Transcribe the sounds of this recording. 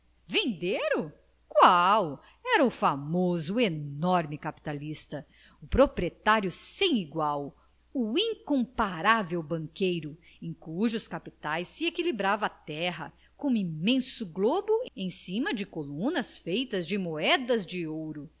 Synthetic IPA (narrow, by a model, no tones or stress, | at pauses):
vẽnd̪eɾʊ | kwaw | ɛɾɐʊfamozʊenɔɾmɪkapi̥t̪alist̪ɐ | ʊpɾopɾiet̪aɾjʊsẽj̃iɡwaw | uĩŋkõmpaɾavewbɐ̃ŋkejɾʊẽj̃kuʒʊskapit̪ajsːiekilibɾavɐt̪ɛɦɐ̰ | kõimẽsʊɡlobʊẽj̃sĩmɐd͡ʒɪkolũnɐsfejt̪ɐzd͡ʒɪmoɛd̪ɐzd͡ʒɪowɾʊ